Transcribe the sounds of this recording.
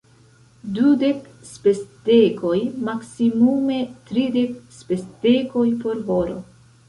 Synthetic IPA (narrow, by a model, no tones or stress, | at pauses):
dude̞k | spe̞stekojmaksimume̞tɾide̞k̚spe̞steko̞jpo̞ɾɦo̞ɾo̰